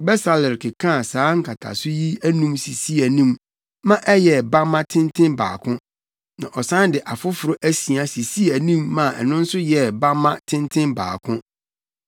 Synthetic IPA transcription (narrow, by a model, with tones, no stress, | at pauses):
bɛ˦sa˨lɪ˨ɾkʰɪ˨kʰã˦˨sãː˨˦ŋ̩˦kʰa˨tʰa̰˨sʊ˦ji˦æ˦nũ˦msi˨si˦æ˨nĩ˦m | mã˦ʔɛ˦jɛ˨ba˦mã˦tʰɪ̃˦ntʰɪ̃˦nbaː˨kʰʊ̃˦ | nã̰˨ʔɔ˨sã˦n˦dɪ˨ʔa˨fʊ˦fʊ˨ɾʊ˦ʔæ˦si˨a˨si˨si˦æ˨nĩ˦mːã˨ʔɛ̰˨nʊ̃˦n̩˦sʊ˦jɛ˨ba˦mã˦tʰɪ̃˦ntʰɪ̃˦nba̰ː˨kʰʊ̃˦